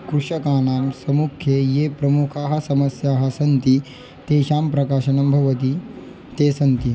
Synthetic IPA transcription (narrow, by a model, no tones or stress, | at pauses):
kɾuʂɐkaːnaːmsɐmukʰjejepɾɐmukʰaːɦɐ̆sɐmɐsjaːɦɐsɐnt̪i | t̪eːɕaːmpɾɐkaːʃɐnɐmbʱɐʋɐt̪̬i | t̪eːsɐnt̪i